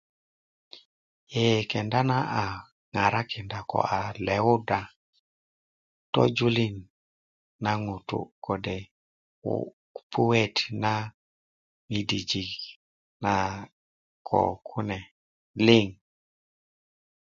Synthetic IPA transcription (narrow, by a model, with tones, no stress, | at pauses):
ɛ˨kɛ˨nda˦na˦ʔa˨ | ŋa˨ɾa˦kɛ˨nda˨kɔ̰˨ʔa˨lɛ˨u˦da˨ | tɔ̰˦d͡ʒu˦li˦n | na˦ŋu˨tṵ˨kɔ˨dɛ̰˨˦ | pʰu˦we˦tna˦ | mi˨di˨d͡ʒi˨k | na˨ | kʰɔ̰˨kʰu˦nɛ˨ | lɪ˦ŋ